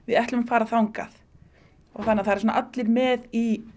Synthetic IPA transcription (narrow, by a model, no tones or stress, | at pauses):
vɪðɛht̪ʏmafaːɾaθawŋka̰θ | ɔ̰ɣθanːaɾθaɾsɔnaʔat̪lɪɾmɛði